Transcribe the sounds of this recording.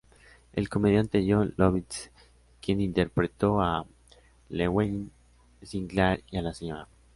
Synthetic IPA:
e̞̰lko̞me̞ðjant̪eɾjoloβis | kje̞nint̪e̞ɾpɾe̞t̪o̞a | lewejn | siŋɡlaɾialasima

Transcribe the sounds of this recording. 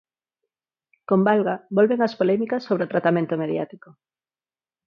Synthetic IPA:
kombalɣabolβeŋaspolɛmikasːoβ̞ɾeot̪ɾat̪amẽnt̪omeðja̰t̪iko

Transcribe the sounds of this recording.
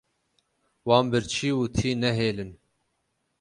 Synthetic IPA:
wɑːnbɨɾt͡ʃʰiːwut̪ʰiːnɛɦeːlɨn

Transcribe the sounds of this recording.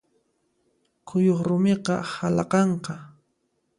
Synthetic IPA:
kʰʊjoχɾʊmeqɑhalɑqɑɴqɑ

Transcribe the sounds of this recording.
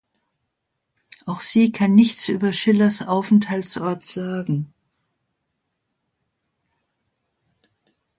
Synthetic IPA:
ʔaʊxz̥iːkʰanːɪçt͡sʔyːbɐʃɪlɐsʔaʊfn̩thaltsʔɔɐtz̥aːɡŋ̩

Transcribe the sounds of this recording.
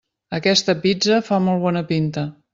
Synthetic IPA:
əkɛst̪əpid͡zəfamɔlˠβ̞ɔnəpint̪ə

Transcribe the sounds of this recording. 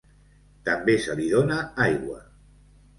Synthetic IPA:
t̪ambesaliðonaajɣwa

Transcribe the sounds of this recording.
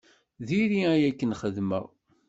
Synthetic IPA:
ðiɾiæjækːənχəðmə̰

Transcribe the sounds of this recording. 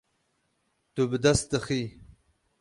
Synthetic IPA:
t̪ubd̪ast̪əxi

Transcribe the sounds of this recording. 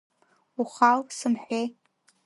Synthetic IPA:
uχalsɨmħʷej

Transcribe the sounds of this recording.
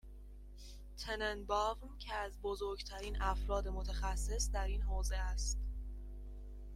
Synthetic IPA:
t̪ʰenenbɒːvmcʰeæzbozoɾɡt̪ʰæɾiːnʔæfɾɒːd̪emot̪ʰæxæsːe̞sd̪æɾiːnɦɒːze̞æst̪

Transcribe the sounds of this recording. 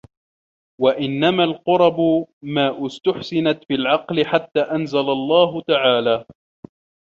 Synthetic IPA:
waʔɪnːamalqʊɾˤɑbʊmaːʔɪst̪ʊħsɪnat̪filʕɑqlɪħat̪ːaːʔanzalalˤːɑːɦʊt̪aʕaːlaː

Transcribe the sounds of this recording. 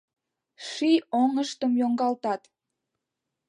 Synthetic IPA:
ʃioŋəʃt̪əmjoŋɡɑlt̪ɑt̪

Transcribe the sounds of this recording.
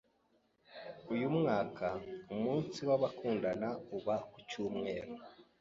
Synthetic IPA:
ujumŋaːkʰaumuːnsiwaβakʰuːndanauβakucuːmŋe̞ːɾo

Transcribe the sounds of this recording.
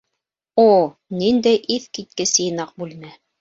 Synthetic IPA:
o | nind̪æjʔiθkit̪̚kɘsɘ̆jnɑq̚bʉlmæ

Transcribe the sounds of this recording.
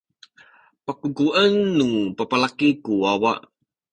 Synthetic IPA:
pəkuɡuʔənːupəpalakikuwawaʔ

